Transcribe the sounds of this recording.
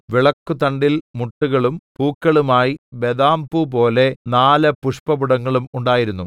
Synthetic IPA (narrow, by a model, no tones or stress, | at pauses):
ʋiɭɐkːut̪ɐɳɖilmuʈːuɣɐɭumpuːkːɐɭumaːjibed̪aːmbupo̞ːle̞naːlɐpuʂpɐbuɽɐŋːɐɭumuɳɖaːjiɾunːu